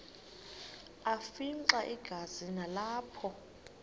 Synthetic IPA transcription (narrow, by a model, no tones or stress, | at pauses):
afiǀaʔiɡ̥ʱazinalaːpʰɔ